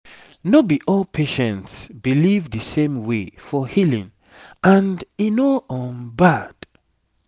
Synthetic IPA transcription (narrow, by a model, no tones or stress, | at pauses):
nobiʔɔlpʰeʃɛ̃ntsbilivðɨsẽmwefɔhilḭ̃ŋ | ʔãndinoɔ̃nbad̥